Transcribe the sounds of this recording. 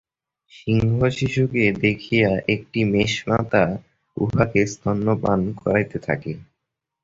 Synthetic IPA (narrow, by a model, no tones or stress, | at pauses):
ʃiŋɡʱaʃiʃuked̪ekʰijaʔek̚ʈimeʃmat̪a | ṵbakest̪ʰanːopa̰nkɔɾajt̪et̪ʰa̰ke